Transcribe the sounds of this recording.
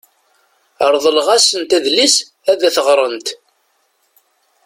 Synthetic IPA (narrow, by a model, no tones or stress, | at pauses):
əɾˤðˤəlʁæsənt̪æðlis | æðæθəʁɾˤənt̪